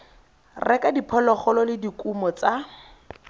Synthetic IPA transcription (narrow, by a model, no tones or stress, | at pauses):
rɛkadipʰɔlɔχɔlɔlɪdikʼumɔt͡sa